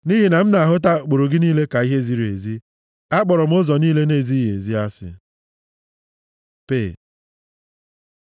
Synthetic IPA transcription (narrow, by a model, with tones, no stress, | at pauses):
ni˦ɦi˨na˨m̩˦na˨ɦʊ˦t̬a˦˨k͡po˨ɾo˨ɡɪ˦niː˦le˦ka˨i˦ɦe˦zi˦ɾe˨zi˦ | a˦k͡pɔ˨ɾɔ˨m̩˦ʊ˦zɔ˨niː˦le˦ne˨zi˦jḛ˨zi˦a˦sɪ̰˨ | pe˦˨